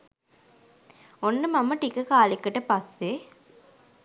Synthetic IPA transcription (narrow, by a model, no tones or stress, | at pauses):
onːəmamɐʈikəkaːlikːəʈəpɐsːe